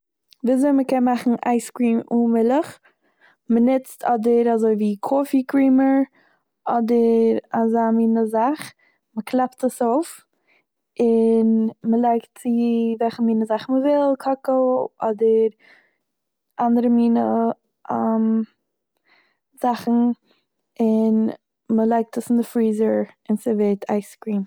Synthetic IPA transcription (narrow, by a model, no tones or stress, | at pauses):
viːzoɪməkɛnmaχn̩ʔa̰ɪskɾiːmumɪlˠəχ | mənɪt͡stʰɔdəɾazoɪviːkʰoːfikʰɾiːməɹ | ɔdəɾazaːmiːnəzaχ | məkʰlˠɛptəsoʊf | ɪnməlˠaɪktt͡sɪvɛlˠχəmiːnəzaχn̩məvɪlˠkʰɔkəlˠɔdəɾ | ʔandəɾəmiːnə | ʔɛm | z̥aχn̩ | ɪn | məlˠaɪk̚təsɪndɪfɾiːzəɹɪnsɪvetʰaɪskɾiːm